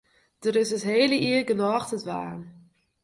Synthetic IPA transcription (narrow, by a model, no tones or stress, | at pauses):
d̥əɾɪsəsɦeːləʔiːərɡənɔːχtətʋa̰ːn